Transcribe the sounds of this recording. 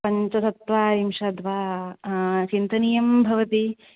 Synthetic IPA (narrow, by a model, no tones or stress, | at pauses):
pɐɲt͡ʃɐt̪ɐt̪ʋaːimʂɐd̪ʋaː | t͡ʃint̪ɐnijɐmbʱɐʋɐt̪i